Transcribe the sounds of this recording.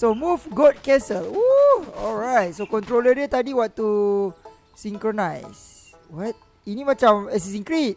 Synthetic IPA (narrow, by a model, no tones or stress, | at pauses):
somufɡɔt̚kɛsəluɔlɹajt̚sokɔ̃nt̪ɾolədjət̪adiwat̚ːu | sĩŋkɹonajs | wat̚ | inimat͡ʃãmɛs̬is̬ĩŋkɹit̚